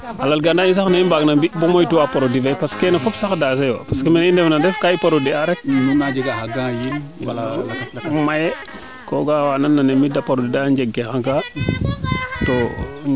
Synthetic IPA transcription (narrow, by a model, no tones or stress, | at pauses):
alalɡandainsaxnaimbaɡnambibomojtuapaɾodivejpaskenafopsaxdas̬ejwa̰paskemenindefnandefkaipaɾodiaɾek̚nunad͡ʒeɡahaɡãjin | maje | koɡawananːanemidapaɾodidand͡ʒeɡːexãŋka | to